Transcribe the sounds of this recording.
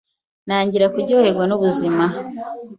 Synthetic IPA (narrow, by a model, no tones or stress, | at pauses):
naːɲɟiɾakuɟoːɾe̞ɡwanuβuzima